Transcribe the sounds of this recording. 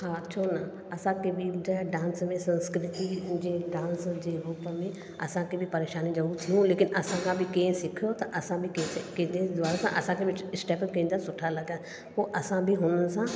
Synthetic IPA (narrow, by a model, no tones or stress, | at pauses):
ɦãːt͡ʃʰoːnə | ɐsãːkebʱid͡ʒəɖãːnsmẽsɐ̃nskɾɪt̪id͡ʒeːɖãːnsd͡ʒeːɾuːpəmẽ | ɐsãkebʱipɐɾeːʃaːnid͡ʒɐɾuːɾt̪ʰiũleːkɪnʔɐsãkʰãbʱikẽːsɪkʰjot̪ɐʔɐsãbʱikekẽːnd̪ed̪ʊaːɾasãʔɐsãkeʋɪt͡ʃɪsʈɛːpkɐ̃ːnd̪asʊʈʰːalɐɡa | poːʔɐsãbʱiɦʊnəsãː